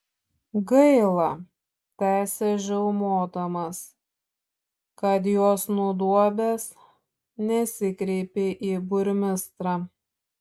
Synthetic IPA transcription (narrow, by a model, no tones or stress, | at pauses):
ɡɐɪlˠɐ | t̪ʲæːsʲɛʒʲɛʊmoːd̪ɐmɐs | kɐt̪̬joːsnuːd̪uɔbʲes | nʲɛsʲɪkɾʲɛɪpʲeːʔiːbʊɾʲmʲɪst̪ɾɑː